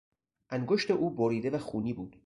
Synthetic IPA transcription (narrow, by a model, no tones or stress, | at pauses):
ʔæŋɡoʃt̪eʔuːboɾiːd̪e̞væxuːniːbuːd̪̥